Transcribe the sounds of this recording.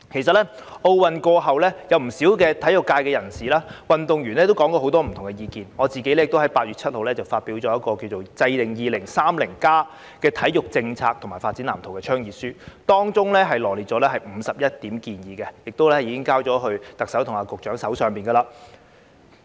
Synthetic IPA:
kʰe˨˩js̬ɐ˨t̚lɛ˥ | ʔo˧wwɐ˨nkɔː˧ɦɐ˨wlɛː˥jɐ˨˧wm̩˨˩siː˨˥wkɛː˧t̪ʰɐ˨˥jʊ˨kːaː˧jkɛː˧jɐ˨˩nsiː˨laː˥wɐ˨nt̪ʊ˨ŋjyː˨˩nlɛ˥t̪o˥wkɔː˨˥ŋkɔː˧ho˨˥wt̪ɔː˥m̩ʰ˨˩ʊ˨˩ŋkɛ˧jiː˧kiː˨nŋɔː˨˧t͡siː˨ke˨˥jlɛ˥jɪ˨kt̪o˥whɐ˨˥jpaː˧t̚ɥyː˨t̚t͡sʰɐ˥t̚ho˨wlɛː˥t͡sɐ˨wfaː˧t̚piː˨˥wt͡sɔː˨˦jɐ˥tkɔː˧ki˧wt͡so˨wt͡sɐ˧jlɪ˨˩ŋjiː˨lɪ˨˩ŋsaː˥mlɪ˨˩ŋkaː˥ | kɛː˧t̪ʰɐ˨˥jjʊ˨k̚t͡sɪ˧ŋt͡sʰaː˧k̚t̪ʰʊ˨˩ŋmaː˨˩jfaː˧tt͡siː˨˥nlaː˨˩t̪ʰo˨˩wkɛː˧t͡ʃʰœː˥ŋjiː˨t̚syː˥t̪ɔː˥ŋt͡sʊ˥ŋlɛ˥ɦɐ˨jlɔː˨˩li˨˩t̚t͡ʃɔː˨˥lɛː˥ɦɐ˨jm̩˨˧sɐ˨p̚jɐ˥t̚t̪iː˨˥mkiː˧njiː˨˧kɛ˧jɪ˨k̚t̪o˥wlɛ˥jiː˨˧kɪ˥ŋkaː˥wt͡sɔː˨˥ɦɵ˧ɥt̪ɐ˨k̚sɐ˨˥wt̪ʰʊ˨ŋaː˨˧kʊ˨k̚t͡ʃœː˨˥ŋsɐ˨˥wsœː˨ŋpiː˨˩nɡɐ˧laː˧˩

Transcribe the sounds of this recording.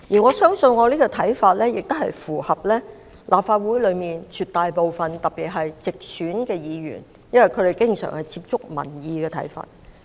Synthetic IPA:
jiː˨˩ŋɔː˨˧sœː˥ŋsɵ˧nŋɔː˨˧liː˥kɔː˧t̪ʰɐ˨˥jfaː˧t̚lɛː˥jɪ˨k̚t̪hɐ̰˨jfuː˨˩hɐ˨p̚lɛː˥ | lʔaː˨p̚faː˧t̚wu˨˥jlɵ˨˧ɥmiː˨nt͡ʃʰyː˨t̪aː˨jpo˨˧wfɐ˨nt̪ɐ˨t̚pːiː˨˩t̚ɦɐ˨jt͡sɪ˨k̚syː˨˥nkɛː˧jiː˨˧jy̰ː˨˩n | jɐ˥nwɐ˨˩jkʰɵ˨˧ɾe˨jkɪ˥ŋsœ̰ː˨˩ŋhɐ˨jt͡siː˧p̚t͡sʊ˥k̚mɐ̰˨˩njiː˨˧kɛː˧t̪ʰɐ̰˨˥jfa̰ː˧t̚

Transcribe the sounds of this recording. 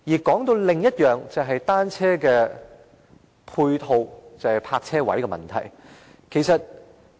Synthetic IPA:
jiː˨˩kɔː˨˥ŋt̪o˧wlɪ˨ŋjɐ˥t̚jœː˨ŋt͡sɐ˨wɦɐ˨jt̪aː˥nt͡sʰɛː˥kɛː˧ | pʰuː˧jt̪ʰo˧wt͡sɐ˨whɐ˨jpʰaː˧k̚t͡sʰɛː˥wɐ̰˨˥jkɛː˧mɐ̰˨nt̪ʰɐ̰˨˩j | kʰe˨˩jsɐ˨t̚

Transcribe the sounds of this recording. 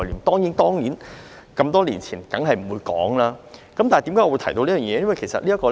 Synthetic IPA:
liː˨˩mt̪ɔː˥ŋni˨˥nt̪ɔː˥ŋniː˨˥n | kɐ˧mt̪ɔː˥liː˨˩nt͡sʰiː˨˩nkɐ˨˧˥ŋɦɐ˨jm̩˨˩wuː˨˧jkɔ̰ː˨˥ŋlaː˥kɐ˨˥mt̪aː˨t̪i˨˥kaː˦˥ŋɔ˧u˧jt̪ʰɐ˨˩jt̪o˧wliː˥jœː˨˩ŋjɛː˧jɐ˥nwɐ˨˩jkʰe˨˩sɐ̰˨t̚liː˥ɐ˥kɔː˧

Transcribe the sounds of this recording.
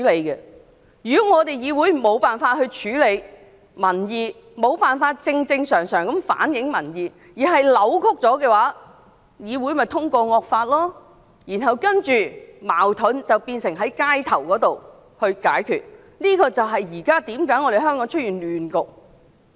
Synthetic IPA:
le˨˧jkɛ˧ | jyː˨˥ŋɔː˨˧t̪e˨jjiː˨˧wuː˨˥jmo˨˧wpaː˨nfaː˧t̚hɵ˧t͡ʃʰyː˨˥le˨˧j | mɐ˨˩njiː˨˧ | mo˨˧wpaː˨˩nfaː˧t̚t͡sɪ˧ŋt͡sɪ˧ŋsœː˨˩ŋsœː˨˩ŋkɐ˨˥mfa̰ː˨˥njɪ˨˥ŋmɐ˨˩njiː˨˧ | jiː˨˩ɦɐ˨jlɐ˨˥wkʰʊ˥k̚t͡sɔː˨˥kɛː˧waː˨˥ | jiː˨˧wu˨˥jmɐ˨jt̪ʰʊ˥ŋkɔː˧ŋɔː˧k̚faː˧t̚lɔː˥ | jiː˨˩nɦɐ˨wkɐ˥nt͡ʃyː˨ma̰ː˨˩wt̪ʰʊ˨˥nt͡sɐ˨˩wpiː˧nsɪ˨˩ŋɦɐ˨˥jkaː˥jt̪ʰɐ˨˩wkɔː˨˥t̪o˨w | hɵ˧kaː˨˥jkʰy̰ː˨˩t̚ | niː˥kɔː˧t͡sɐ˨wɦɐ˨jjiː˨˩kaː˥t̪iː˨˥mkaː˨˥jŋɔ˨˧ɾe˨jɦœː˥ŋkɔ˨˥ŋt͡ʃʰɵ˥t̚jyː˨nlyː˨nkʊ˨k̚

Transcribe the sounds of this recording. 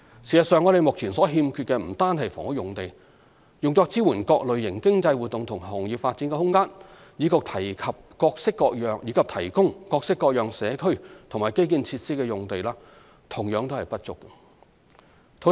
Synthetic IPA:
si˨˩sɐ˨˩tsœː˨˧ŋɔː˨˧ɾe˨jmʊ˨k̚t͡sʰiː˨˩nsɔː˨˥ɦiː˧mkʰyː˧t̚kɛː˧m̩˨˩t̪aː˥nhɐ˨˩jfɔ̰ː˨˩ŋhʊ˥kjʊ˨ŋt̪e˨j | jʊ˨ŋt͡sɔː˧k̚t͡siː˥wuː˨˩nkɔː˧k̚lɵ˨˧ɥjɪ˨˩ŋkɪ˥ŋt͡sɐ˧jwuː˨t̚t̪ʊ˨ŋt̪ʰʊ˨˩ŋɦɔː˨˩ŋjiː˨p̚faː˧t̚t͡siː˨˥nkɛ˧hʊ˥ŋkaː˥n | jiː˨˧˥kʊ˨k̚t̪ʰɐ˨˩jkʰɐ˨p̚kɔː˧k̚sɪ˥kːɔː˧k̚jœː˨ŋjiː˨˧kʰɐ˨p̚t̪ʰɐ˨˩jkʊ˥ŋkɔː˧k̚sɪ˥kːɔː˧k̚jœː˨ŋsɛː˨˧kʰɵ˥ɥt̪ʰʊ˨˩ŋmaː˨˩jke˥jk̬iː˧nt͡sʰiː˧t̚siː˥kɛː˧jʊ˨˩ŋt̪e˨jlaː˥ | t̪ʰʊ˨˩ŋjœː˨˧ŋt̪o˥hɐ˨˩jpɐ˥t̚t͡sʊ̰˥kː | t̪ʰo˨˥

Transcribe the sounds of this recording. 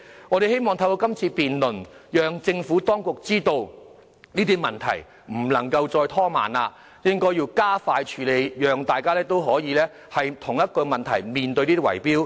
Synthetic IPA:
ŋɔː˨˧ɾe˨jhe˥jmɔː˨ŋt̪ʰɐ˧wko˧kɐ˥mt͡sʰiː˧piː˨nlɵ˨˩njœː˨˧ŋt͡sɪ˧ŋfuː˨˥t̪ɔː˥ŋkʊ˨k̚t͡siː˥t̪o˧w | niː˥t̪iː˥mɐ˨nt̪ʰɐ̰˨˩j | m̩˨˩lɐ̰˨˩ŋkɐ˧wt͡sɔː˧jt̪ʰɔː˥ma̰ː˨˩naː˧ | jɪ˥ŋkɔː˥jiː˧wkaː˥faː˧jt͡ʃʰyː˨˧le˨˧jjœː˨ŋt̪aː˨jkaː˥lɛː˥t̪o˥wɦɔː˨˥jiː˨˧lɛː˥ | hɐ˨jt̪ʰʊ˨˩ŋjɐ˥t̚kɔ˧mɐ˨nt̪ʰɐ˨˩jmiː˨nt̪ɵ˧jniː˥wɐ̰˨˩jpiː˥w

